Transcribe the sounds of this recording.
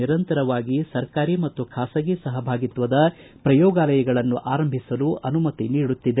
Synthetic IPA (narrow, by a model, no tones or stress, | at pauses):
iɾɐnt̪ɐɾɐʋaːɡisɐɾkaːɾimɐt̪ːukʰaːsɐɡisɐɦɐbʱaːɡit̪ʋɐd̪ɐ | pɾɐjɔːɡaːlɐjɐɡɐɭɐnːuʔaːɾɐmbʱisɐluʔɐnumɐt̪iniːɽut̪ːid̪e